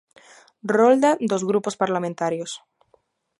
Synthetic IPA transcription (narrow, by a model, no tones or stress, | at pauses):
rold̪ad̪ozɣɾupospaɾlamẽnt̪aɾjos